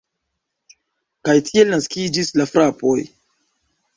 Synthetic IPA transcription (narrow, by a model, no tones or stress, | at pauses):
kajtʰie̞lnaskid͡ʒislafɾapoj